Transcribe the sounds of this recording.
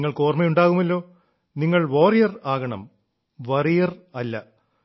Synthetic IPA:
ŋːɐɭko̞ːrmɐjuɳɖaːɣumɐlːo̞ː | niŋːɐɭʋoːrijɐraːɣɐɳɐ̰m | ʋɐrijɐrɐlːɐ

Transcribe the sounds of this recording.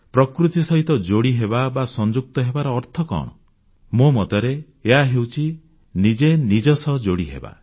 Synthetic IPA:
pɾɔkɾut̪isɔɦit̪ɔd͡ʒoɽiɦebabasɔnd͡ʒuk̚t̪ɔɦebaɾɔːɾt̪ʰɔkɔ̰ɽ̃ɔ̰ | momɔt̪ɔɾeː | ɦaɦewt͡ʃʰi | nid͡ʒenid͡ʒɔsɔd͡ʒoɽiɦḛba̰

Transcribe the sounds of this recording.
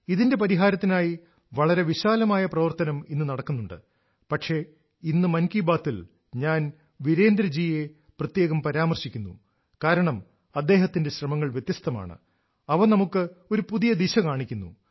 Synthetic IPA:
iðinde̞p̬ɐɾiɦaːɾɐt̪ːinaːji | ʋɐɭɐɾe̞ʋiɕaːlɐmaːjɐprɐʋɐrt̪ɐnɐminːɨnɐɽɐkːunːuɳɖɨ̰ | pɐʈʂe̞ | inːɨmɐnkibaːt̪ːil | ɲaːn | ʋiɾe̞ːnd̪ɾɐd͡ʑiːje̞ | prɐt̪je̞ːɣɐmpɐɾaːmɐrɕikʲːunːṵ | kaːɾɐɳɐm | ɐd̪ːe̞ːɦɐt̪ːinde̞ɕrɐmɐŋːɐɭʋjet̪jɐst̪ɐma̰ːɳɨ̰ | ɐʋɐnɐmukːɨo̞ɾupuðijɐd̪iɕɐkaːɳikʲːunːṵ

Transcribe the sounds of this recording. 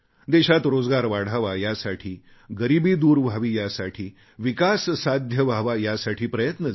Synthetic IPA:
d̪eɕat̪ɾod͡zɡaɾʋaɽ̤aʋajasaʈʰiː | ɡəɾibiːd̪uːɾbʱaʋiːjasaʈʰiː | ʋikassad̪ʱjəʋʱaʋajasaʈʰiːpɾəjət̪nə

